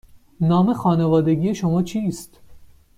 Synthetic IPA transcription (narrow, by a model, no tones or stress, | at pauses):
nɒːme̞xɒːnevɒːd̪e̞ɡiːje̞ʃomɒːt͡ʃʰiːst̪